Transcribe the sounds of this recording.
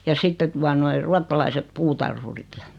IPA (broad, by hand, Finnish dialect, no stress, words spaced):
jɑ sitːe tuɑ noi ruɑtːɑlɑiset putɑrhurit jɑ